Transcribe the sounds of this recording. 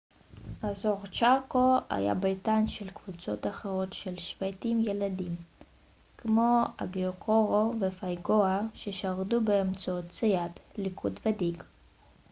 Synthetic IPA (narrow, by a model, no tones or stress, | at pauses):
azoʁt͡ʃakoa̰ja̰bejt̪anʃelkv̥ut͡so̞t̪aχeʁo̞tʃelʃv̥ajt̪imjeladim | kmo̞a̰ɡeokʰoʁovefajɡoaʃeʃaʁdubeːmt͡saott͡sejat̪likʰudved̪iɡ